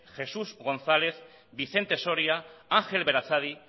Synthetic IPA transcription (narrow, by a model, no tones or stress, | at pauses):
xe̞suzɣo̞nθale̞θ | biθe̞nt̪e̞so̞ɾiaaŋxe̞lβe̞ɾat͡saði